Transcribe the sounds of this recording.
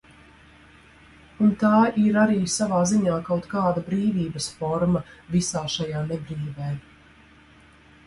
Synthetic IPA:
unt̪aːiɾaɾiːsavaːziɲaːkawt̪kaːd̪abɾiːviːbəsfɔɾmɐvisaːʃajaːnɛbɾiːvɛː

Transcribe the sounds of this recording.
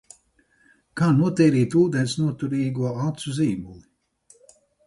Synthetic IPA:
kaːnuɔt̪ɛːɾiːt̪uːd̪ɛnʲsnuɔt̪uɾiːɡuɔalt̪suziːmulˠi

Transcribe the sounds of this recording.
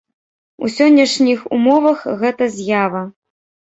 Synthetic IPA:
ṵsʲɔnʲːɐʂnʲixṵmɔvɐxɣɛt̪ɐzʲjavɐ

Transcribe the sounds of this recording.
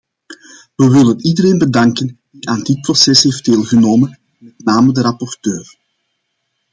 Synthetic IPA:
ʋəʋɪlənidəɾeːnbədɑŋkənd̥iʔaːndɪt̚prosɛsɦeːfd̚d̥eːlˠɣənoːmən | mɛtnaːmədəɾɑpɔrtøːr

